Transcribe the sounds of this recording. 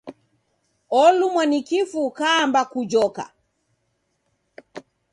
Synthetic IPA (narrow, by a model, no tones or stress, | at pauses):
ɔlumwanikifukaːmbakud͡ʒɔka̰